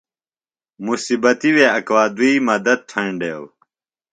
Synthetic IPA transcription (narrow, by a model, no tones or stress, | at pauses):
musibɐt̪iweɐkwaːd̪uiːmɐd̪ɐd̪̚tʰɐ̃ɳɖeːw